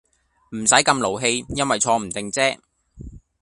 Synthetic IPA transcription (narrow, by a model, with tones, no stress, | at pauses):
m̩˨˩sɐ˨˥jkɐ˧mlo˨˩wɦe˧jjɐ˥nwɐ˨˩jt͡sʰɔː˧m̩˨˩t̪ɪ˨ŋt͡sɛː˥